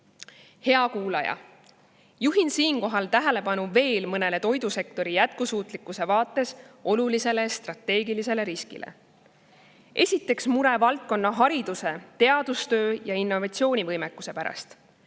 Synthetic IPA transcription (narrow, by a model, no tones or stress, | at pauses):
he̞ɑkuːlɑjɑ̰ | juɦinsiːnko̞ɦɑlt̪æɦele̞pɑnuve̞ːlmɤne̞le̞t̪o̞jd̪̥use̞kt̪o̞ɾijæt̪̚kusuːt̪ˑlikːˑuse̞vɑːt̪ːˑe̞so̞lulise̞le̞st̪rɑt̪ːˑe̞ːɡilise̞le̞ɾiskḭlʔḛ | ʔe̞sʲit̪ːˑe̞ksmuɾe̞vɑlt̪̚ko̞nːɑɦɑɾid̪̥use̞t̪e̞ɑd̪ust̪ø̞ːjɑinːo̞vɑt̪sio̞ːnʲivɤjmekːˑuse̞pæɾɑ̰st̪